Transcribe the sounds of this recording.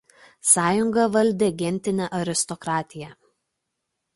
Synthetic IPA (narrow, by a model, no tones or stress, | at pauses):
sɑːjʊŋɡɐʋɐlʲd̪ʲɛɡʲɛnʲt̪ʲɪnʲɛʔɐɾʲɪst̪ɔkɾɑːt̪ʲɪjɛˑ